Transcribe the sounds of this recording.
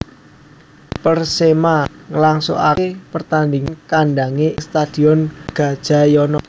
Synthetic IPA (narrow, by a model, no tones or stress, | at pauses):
pərsemaŋəlaŋso̰ʔa̰epərt̪andiŋkaɳɖaŋest̪ad̥i̤ɔnɡ̥a̤d̥ʒ̥a̤jɔnɔ